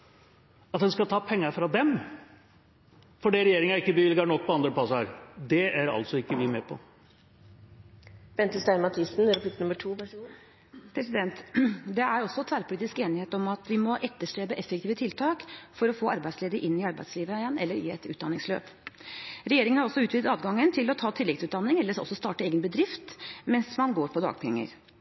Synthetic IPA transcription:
ɑt̪̚h̪ɛnskɑlt̪ʰɑːpʰɛŋːɑɾfɾɑd̪ɛm | fɔɖiɾɛjeːɾɪŋɑɾɪkːəbəʋɪlɡɑɳɔk̚ːpʰɔɑnd̪ɾəpʰɑsɾd̪ɛæɾɑ̰ltsɔɪkːəʋɪmɛːpʰɔ̰ | b̥ɛnt̪əst̪æɪmɑt̪ʰɪsn̩ɾpʰlɪk̪nʉməʈʰuː | pʰɾɛsɪd̪ɛnt̪d̪ɛæɾɔsːɔt̪ʰʋæːɾpʰʊliːt̪ɪskeːnɪheːt̪ɔmɑt̪ʋɪmɔʔɛt̪ːəʂʈɾeːbəʔɛfːɛkt̪ʰiːʋət̪ʰɪlt̪ʰɑːkfɔɾɔfoːɑɾbæɪsleːd̪əɾʔɪnːɪɑɾbæ̰ɪsliːʋəjɛnːɛlːəɾjḭːɛ̰t̪ʉːt̪̚d̪ɑnːɪŋslø̰ːp | ɾɛjeːɾɪŋənhɑɾɔsːɔʉːt̪ʋiːt̪ɑːd̪ɡɑŋːənt̪ʰɪlɔt̪ʰɑːt̪ʰɪlːɪkt̪sʉːt̪d̪ɑnːɪŋɛlːəʂɔ̰sɔst̪ɑːʈəeːɡənbəd̪ɾɪft̪mɛnsmɑnɡoːɾpʰɔd̪ɑ̰ːɡpʰɛŋːə̰ɾ

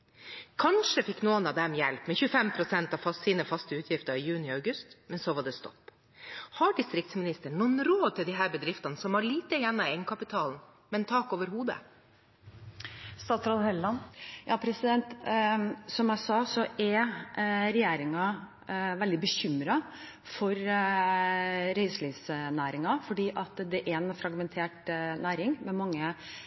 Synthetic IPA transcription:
kʰɑnʂəfɪkːnuːənɑʋd̪ɛmjɛlpmɛnçʉəfɛmpʰɾʊsɛnt̪ɑʋfɑssiːnəfɑst̪əʉːt̪ʰjɪft̪əɾɪjʉːnɪɑʉɡʉst̪mɛnsoʋɑɖɛst̪ɔ̰pː | hɑɖɪst̪ɾɪk̚t̪smɪnɪst̪əɳːuənɾoːd̪̚t̪ʰɪld̪ɪɦæːɾbəd̪ɾɪft̪ɑnəsɔmhɑɭiːt̪əjɛnːɑɛŋkʰɑpɪt̪ʰɑːln̩ | mɛnt̪ʰɑːkoːʋəɾhuːd̪ə̰ | st̪ɑːt̪sɾɑd̪hɛlːɑnjʔɑːpʰɾɛsɪd̪ɛnt̪ | sɔmjæɪsɑːsɔʔɛɾ | ɾɛjeːɾɪŋɑ | ʋɛld̪ɪbəçʏmːɾɑ | fɔɾ | ɾɛɪslisnæːɾɪŋɑfɔɖiːʔɑt̪d̪ɛʔɛnfɾɑɡmɛnt̪ʰeːʈnæːɾɪŋmɛmɑŋːə

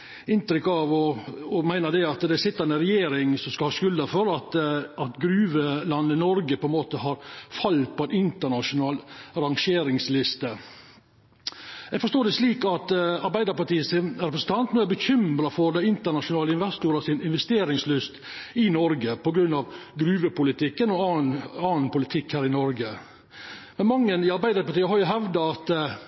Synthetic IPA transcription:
ɪnt̪ɾɪkːɑʋɔɔmæɪnəd̪ɛɑt̪d̪ɛsɪt̪ːəɾɛnɾɛjeːɾɪŋsɔmskɑlhɑːskʉld̪əfɔɾɑt̪ɑt̪ɡɾʉːʋəlɑnːənɔɾɡəpʰɔɛnmoːt̪əɦɑɾfɑlːpʰɔɛnɪnt̪əɳɑʂʊnɑːlɑɾɑŋʂeːɾɪŋslɪst̪ə | ɛɡfɔɾst̪oːd̪ɛsliːkɑt̪ɑɾbæɪd̪əɾpɑʈiːəsɪnɾɛpɾəsn̩t̪ʰɑnt̪nuːæɾbəçʏmɾɑfɔɾd̪ɛɪnt̪əɳɑʂʊnɑːləɪnʋæst̪ʊɾɑsɪnɪnʋɛst̪eːɾɪŋslʏst̪ | ɪnɔɾɡəpɔɡɾʉnːɑʋɡɾʉːʋəpʊlɪt̪ʰɪkːənɔɑːnpʊlɪt̪ʰɪkhæːɾɪnɔɾɡə | mɛnmɑŋːənɪɑɾbæɪd̪əɾpɑʈiːəɦɑɾjʊɦɛʋd̪ɑɑt̪

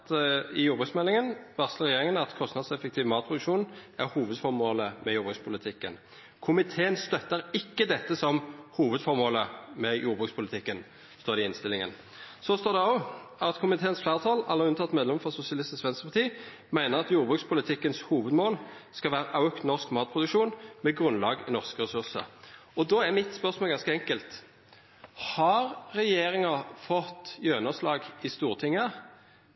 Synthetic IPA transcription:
t̪ɪjuːʁbʁʉksmɛlːɪŋənʋæʁsləʁɛjeːʁɪŋənɑt̪kʰɔst̪nɑd̪sɛfɛkt̪ʰiːʋmɑːt̪pʰʁʊd̪ʉkʃuːnæʁhuːʋəd̪fɔʁmoːləmɛjuːʁbʁʉkspʰʊlɪt̪ʰɪkːə̰n | kʰʊmɪt̪ʰeːənst̪œt̪ːəʁɪkːəd̪ɛt̪ːəsɔmhuːʋəd̪fɔʁmoːləmɛjuːbʁʉkspʰʊlɪt̪ʰɪkːən | st̪oːʁd̪ɪɪnst̪ɪlɪŋə̰n | sɔst̪oːʁd̪ɛɔɑt̪kʰʊmɪt̪ʰeːənsflæːʁt̪ʰɑːlɑlːəʁʉnt̪ɑt̪ːmeːd̪lɛmfɔsʊsɪɑlɪst̪ɪsʋɛnsəʁpʰɑʁt̪ʰiː | mæɪnəʁɑt̪juːʁbʁʉːkspʰʊlɪt̪ʰɪkːənshuːʋəd̪moːlskɑlʋæːʁəʔɑʉkt̪nɔʁskmɑːt̪̚pʰʁʊd̪ʉkʃuːnmɛɡʁʉnlɑːɡɪ̰nɔʁskəʁɛsʉʁsə̰ɾɔd̪ɔːæʁmɪt̪spœʁsmoːlɡɑnskəɛŋkəlt̪ | hɑɾʁɛjeːɾɪŋɑfɔt̪ːjøːnɑslɑːɡɪst̪uːʁt̪ʰɪŋːə

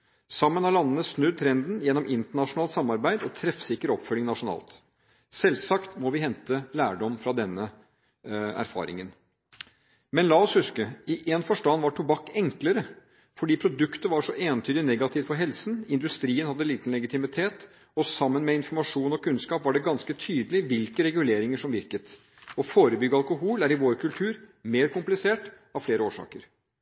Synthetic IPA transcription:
sɑmːənɑlɑnːənəsnʉd̪̚t̪ʰɾɛnd̪n̩jɛnːɔmɪnt̪əɳɑʂʊnɑːlt̪sɑmːɑɾbæɪd̪ɔt̪ʰɾɛfsɪkːəɾɔpfœlɪŋnɑʂʊnɑ̰ːlt̪ | sɛlsɑkt̪mɔʋɪhɛnt̪əlæːɖɔmfɾɑd̪ɛnːə | æ̰ɾfɑ̰ːɾɪ̰ŋən | mɛnlɑːɔshʉskəɪʔeːnfɔʂʈɑnːʋɑʈʰʊbɑkːɛŋkləɾə | fɔɖiːpʰɾʊd̪ʉkt̪əʋɑʂɔʔeːnt̪ʰyːd̪ɪnɛɡɑt̪ʰɪːʋfɔɾɦɛlsnɪnd̪ʉst̪ɾiːənhɑd̪ːəliːt̪n̩lɛɡɪt̪ɪmɪt̪ʰeːt̪ | ɔsɑmːənmɛɪnfɔɾmɑʂuːnɔkʰʉnskɑːpʋɑɖɛɡɑnskət̪ʰyːd̪əlɪʋɪlkəɾɛɡʉleːɾɪŋəʂɔmʋɪɾkət̪ | ɔfoːɾəbʏɡːəɑlkʊɦuːlæɾɪʋoːɾkʰʉlt̪ʰʉːɾmeːɾkʊmplɪseːʈ | ɑʋfleːɾəoːʂɑ̰ːkəɾ

